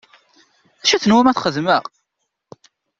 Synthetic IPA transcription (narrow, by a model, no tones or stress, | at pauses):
æʃæθənwæmæθχəðməʁ